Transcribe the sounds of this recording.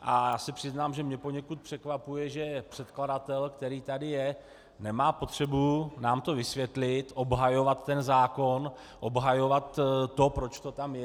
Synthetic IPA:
ʔajaːsɪpr̥ɪznaːmʒɛmɲɛpo̞ɲɛkut̪̚pr̥ɛkvapujɛʒɛpr̝̥ɛt̪kladat̪ɛlkt̪ɛɾiːt̪adɪjɛ | nɛmaːpo̞t̪r̝̥ɛbunaːmt̪o̞vɪsvjɛt̪lɪt̪ʔo̞bɦajo̞vat̪ːɛnzaːko̞n | ʔobɦajo̞vat̪ːo̞pɾo̞t͡ʃt̪o̞t̪amjɛ

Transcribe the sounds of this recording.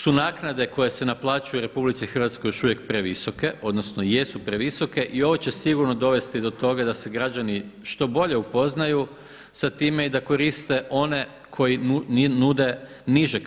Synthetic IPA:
sunaːknad̪e̞ko̞je̞se̞naplˠaːt͡ʃujuɾe̞publit̪sixɾr̩ʋat̪sko̞jo̞ʃuʋje̞k̚pɾe̞ʋiso̞ke̞ʔo̞d̪no̞sno̞je̞supɾeʋiso̞ke̞ʔio̞ʋo̞t͡ɕe̞siɡuɾno̞d̪o̞ʋe̞st̪id̪o̞t̪o̞ɡad̪ase̞ɡɾad͡ʑaniʃt̪o̞bo̞ʎe̞upo̞znaju | sat̪iːme̞id̪ako̞ɾist̪e̞ʔo̞ne̞ | kʰo̞jinud̪e̞ | niʒek

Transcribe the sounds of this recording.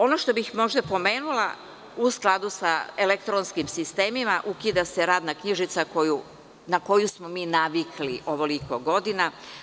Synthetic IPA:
o̞noʃt̪o̞bixmo̞ʒd̪apo̞me̞ːnulˠa̰ | usklˠad̪usaelekt̪ɾonskimsist̪e̞ːmimaʔukid̪ase̞ɾaːd̪nakɲiʒit̪sakoju | nako̞jusmo̞miːnaʋikliʔo̞ʋo̞liko̞ɡo̞d̪ina

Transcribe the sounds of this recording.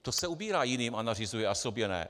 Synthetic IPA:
t̪osɛubiːɾaːjɪniːmanarɪzujɛʔasobjɛnɛ̰

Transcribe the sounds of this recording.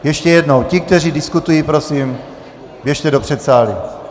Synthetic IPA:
jɛʃcɛjɛdno̞wcɪk̚t̪ɛriːdɪskut̪ujiːpɾo̞sim | bjɛʃt̪ɛdo̞pr̝̥ɛt̪saːlḭ

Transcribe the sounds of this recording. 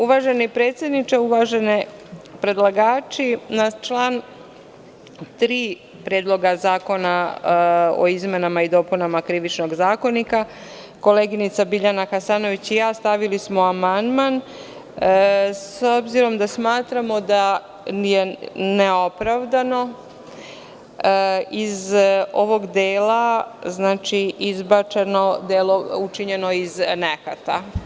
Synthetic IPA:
uʋaʒenipɾeːt̪sje̞d̪nit͡ʃeuʋaʒenepɾe̞d̪lˠaɡaːt͡ʃinat͡ʃlaːn | t̪ɾiː | pɾeːd̪lˠo̞ɡazaːko̞na | o̞̰izme̞namaid̪o̞ːpunamakɾiʋit͡ʃno̞ɡzaːko̞nika | ko̞le̞ːɡinit̪sabiʎanaxasaːno̞ʋit͡ɕijaːst̪aʋilismoamand̪man | so̞bziɾo̞md̪asmaːt̪ɾamo̞d̪a | jeneopɾaʋd̪ano̞ | izo̞ʋo̞ɡd̪eːlaznaːt͡ʃiizbat͡ʃeno̞d̪eːlo̞ut͡ʃiɲe̞no̞iznekat̪a̰

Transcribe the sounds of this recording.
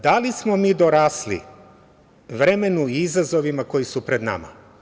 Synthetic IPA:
d̪alismomiːd̪oɾaːslḭ | ʋɾe̞me̞nuiizazo̞ʋimako̞jisupɾe̞d̪na̰ma̰

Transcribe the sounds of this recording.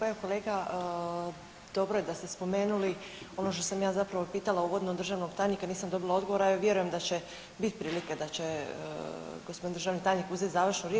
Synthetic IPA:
eʋoko̞leːɡa | d̪̥o̞bɾoje̞d̪ast̪espo̞me̞ːnulio̞no̞ʃt̪o̞samjaːzapɾaʋopiːt̪alauʋo̞d̪nod̪r̩ʒaːʋnoɡt̪aːjɲikaniːsamd̪o̞bilˠao̞d̪ɡo̞ʋo̞ɾaiʋjeɾujemd̪at͡ɕe̞ | bit̪pɾiːliked̪at͡ɕḛ | ɡospod̪ind̪ɾʒaːʋnit̪aːjɲikuze̞t̪zaːʋr̩ʃnuɾje

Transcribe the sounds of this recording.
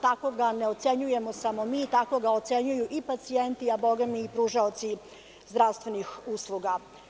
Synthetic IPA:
t̪ako̞ɡaneot̪se̞ɲuje̞mosamo̞mit̪ako̞ɡaot̪se̞ɲujuʔipat̪sie̞nt̪iabo̞ɡamiːpɾuːʒaot̪si | zd̪ɾaʋst̪ʋe̞nixuːslˠuɡa

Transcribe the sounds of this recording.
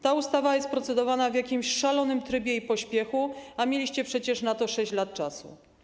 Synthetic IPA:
t̪aust̪avajɛst̪̚pɾɔt̪sɛd̪ɔvanavjakʲimɕʂalɔnɘmt̪ɾɘbʲjɛipɔɕpʲjɛxuamʲjelʲiɕt͡ɕɛpʂɛt͡ɕɛʂnat̪ɔʂɛɕt͡ɕlat̪̚t͡ʂasṵ

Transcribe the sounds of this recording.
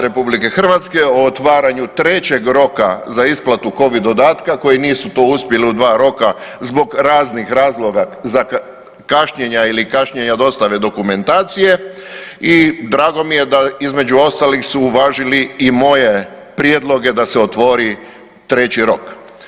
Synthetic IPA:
ɾe̞publike̞xr̩ʋat̪ske̞o̞ːt̪ʋaːɾaɲut̪ɾe̞t͡ɕe̞ɡɾo̞ka̰zaisplat̪uko̞ʋid̪od̪aːt̪kako̞jiniːsut̪oːuspje̞liud̪ʋaːɾo̞kazbo̞ɡɾaːznixɾaːzlˠo̞ɡaza | kaʃɲeɲailikaʃɲeɲad̪o̞st̪aʋe̞d̪o̞kume̞nt̪aːt̪sije̞ | id̪ɾaːɡo̞mije̞d̪aizme̞d͡ʒuo̞st̪alixsuːʋaːʒiliːmo̞je̞ | pɾije̞d̪lˠo̞ɡe̞d̪aseot̪ʋo̞ɾi | t̪ɾe̞t͡ɕiɾo̞k

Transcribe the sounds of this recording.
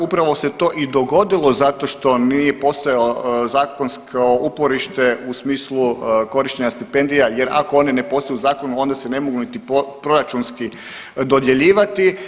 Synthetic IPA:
upɾaʋo̞se̞t̪o̞ːʔid̪o̞ɡo̞d̪ilˠo̞zat̪o̞ʃt̪o̞nijepo̞st̪ojaozaːko̞nskʰoʔupo̞ɾiʃt̪e̞usmiːsluko̞ɾiʃt͡ʃeɲast̪ipe̞nd̪ijaje̞ɾa̰koo̞ninepo̞st̪ojuzaːko̞nuo̞nd̪asene̞moɡunit̪ippɾo̞ɾat͡ʃunski | d̪o̞d̪je̞ʎiːʋat̪i

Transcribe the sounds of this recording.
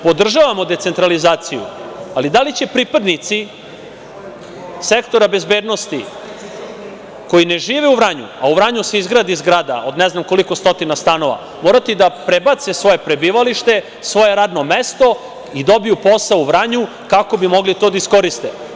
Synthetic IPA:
po̞d̪r̩ʒaʋamo̞d̪e̞t̪se̞nt̪ɾalizaːt̪sijṵalid̪alit͡ɕe̞pɾiːpad̪nit̪si | sekt̪o̞ɾabe̞zbeːd̪no̞st̪i | ko̞jine̞ʒiːʋeuvɾaɲṵauvɾaɲuse̞izɡɾad̪izɡɾaːd̪a̰o̞d̪neznamko̞liko̞st̪o̞t̪inast̪ano̞ʋa̰ | mo̞ːɾat̪id̪apɾebat̪sesʋo̞je̞pɾe̞biːʋaliʃt̪e̞ | sʋo̞je̞ɾaːd̪no̞mest̪o̞ | id̪o̞bijupo̞sauʋɾaɲu | kako̞bimo̞ɡlit̪o̞d̪aisko̞ɾist̪e

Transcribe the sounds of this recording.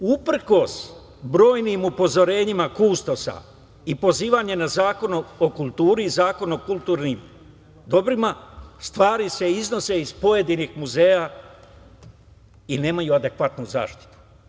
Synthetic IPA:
upr̩ko̞s | bɾo̞ːjnimupo̞zo̞ɾe̞ːɲimakuːst̪o̞sa̰ | ipo̞ziːʋaɲe̞nazaːko̞nookulˠt̪uːɾiːzaːko̞nokulˠt̪uːɾnim | d̪o̞bɾimast̪ʋaːɾise̞izno̞se̞izpo̞je̞d̪inixmuze̞ːja | ine̞ːmajuad̪e̞kʋat̪nuza̰ːʃt̪i̥t̪u̥

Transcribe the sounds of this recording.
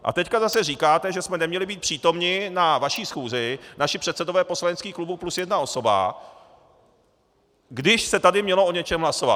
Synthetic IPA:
ʔa̰t̪ɛckazasɛriːkaːt̪ɛʒɛsmɛnɛmɲɛlɪbiːt̪̚pr̝̥iːt̪o̞mɲɪnavaʃiːsxuːzɪnaʃɪpr̥ɛt̪sɛdovɛːpo̞slaɲɛt͡skiːxklubuplusjɛdnao̞so̞ba̰ | ɡdɪʃsɛt̪adɪmɲɛlo̞o̞ɲɛt͡ʃɛmlaso̞va̰t̪̚

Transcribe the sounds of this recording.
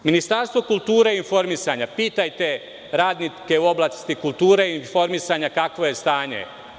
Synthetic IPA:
minist̪aɾst̪ʋo̞kult̪uːɾeinfo̞ɾmisaɲapiːt̪ajt̪e̞ | ɾaːd̪nike̞uo̞blˠakst̪ikulˠt̪uːɾeinfo̞ɾmisaɲakakʋo̞je̞st̪aːɲḛ

